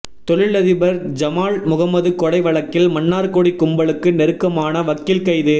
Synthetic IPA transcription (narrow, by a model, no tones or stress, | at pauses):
t̪ɔɻɪɭɐðɪbɐɾd͡ʒɐmaːɭmʊɣɐmɐðɯkɔɽɐɪʋɐɭɐkːɪlmɐnːaːɾkoɽikːʊmbɐɭɯkːɯnɛɾɯkːɐmaːnɐʋɐkːɪlkɐjðɯ